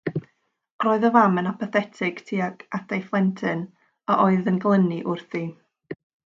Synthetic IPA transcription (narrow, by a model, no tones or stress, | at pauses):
roːɨðɔvamənapʰɔθɛtʰɪɡ̥tʰiːaɡadajflˠɛntʰɨn | aʔoɨðənɡlˠəniʔʊrθi